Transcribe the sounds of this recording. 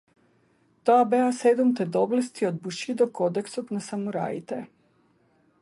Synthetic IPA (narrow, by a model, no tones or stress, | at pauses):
t̪oabeased̪umt̪ed̪oblest̪iod̪̚buʃid̪okod̪eksopnasamuɾa̰it̪e